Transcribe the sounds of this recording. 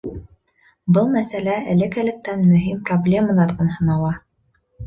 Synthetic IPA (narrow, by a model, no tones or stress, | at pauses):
bɤlˠmæsælæælɘ̆kælɘ̆k̚t̪ænmɵ̆ɦimproblʲe̞mɑlˠɑɾðɤnhɤ̆nɑlˠɑ